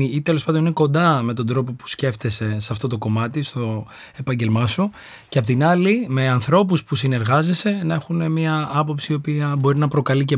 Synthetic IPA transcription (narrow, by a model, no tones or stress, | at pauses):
iit̪elo̞spɐnd̪onineko̞nd̪ɐme̞t̪o̞nd̪ɾo̞p̬o̞pu̥sce̞ft̪e̞se̞sɐft̪o̞t̪o̞ko̞mɐt̪ist̪o̞ | e̞pɐɲɟe̞lmɐsu | ceɐpot̪inɐlime̞ɐnθɾo̞p̬uspusine̞ɾɣɐzese̞nɐe̞xune̞miɐɐpo̞psiiopiɐbo̞ɾinɐpɾo̞kɐlice̞